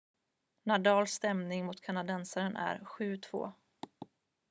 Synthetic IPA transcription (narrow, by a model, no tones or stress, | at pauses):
nad̪ɑːlst̪ɛmnɪŋmʊt̪kʰanad̪ɛnsaɾənʔæ̰ɾɧʉ̟ːt̪ʰv̥o̰ː